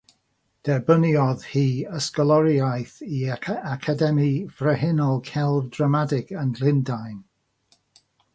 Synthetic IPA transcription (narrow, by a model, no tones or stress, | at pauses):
d̥ɛbəniɔð̥hiːəskɔlˠɔɾjajθiakʰadɛmivrəɦɪnɔlˠkʰɛlˠvdramadɪɡənlˠɪndajn